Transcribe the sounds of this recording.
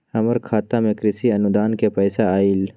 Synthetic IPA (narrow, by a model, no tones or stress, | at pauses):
hɐməɾkʰaːt̪amẽkɾɪsiɐnʊd̪aːnkepɐːsaaːil